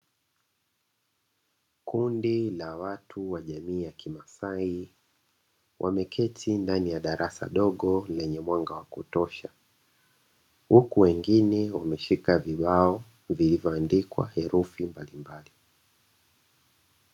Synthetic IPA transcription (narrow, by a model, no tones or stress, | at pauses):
kundilawatʰuwaʄamiːjakimasai | wʔa̰mɛkʰɛtʰindanijaɗaɾʔasa̰ɗɔɠɔlɛɲɛmwaŋɡawakutɔʃa | hukuwɛŋɡinɛwamɛʃikaviɓaɔ | vilivjɔandikwa̰hɛɾufimbalimbali